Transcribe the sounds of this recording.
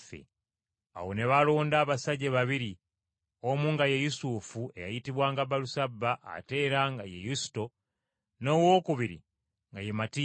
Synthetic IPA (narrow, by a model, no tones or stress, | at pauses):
fḛ | a̰wo̞ne̞βalo̞ːndaːβasaɟeβaβiɾi | omuːŋɡaje̞jusufue̞̰ja̰jitiβwaːŋɡabalusabːaʔːte̞ːɾaŋɡa̰jḛjusi̥to̞ | no̞ːwo̞ːkuβiɾḭ | ŋɡajemati